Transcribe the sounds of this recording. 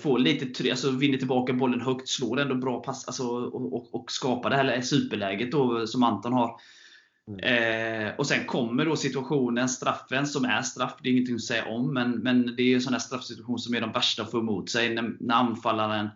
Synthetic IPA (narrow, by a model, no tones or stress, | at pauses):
foːliːt̪ət̪ʰɾalsɔvɪnːət̪ʰɪlbɑːkabɔlːənɦœkt̪sloːɾɛnd̪ɔbɾɑːpʰasa̰lsɔɔɔkskɑːpad̪ɛhæːlsʉ̟ːpəɭɛːɡət̪̚d̪ɔsɔmant̪ɔnɦaɾ | ɔsɛnkʰɔmːəɖɔsɪt̪ɵaɧuːnənst̪ɾafːənsɔmæ̰ɾʂt̪ɾafːd̪ɛjɪŋːənt̪ʰɪŋːɔsɛjːa̰ʔɔmːɛnmɛnd̪ɛæɾjɵɛnsɔnhæːʂst̪ɾafːsɪt̪ʉaɧuːnsɔmæɖɔmvæʂʈaɔfɔmːuːt̪sɛjnænæɾanfalːaɾən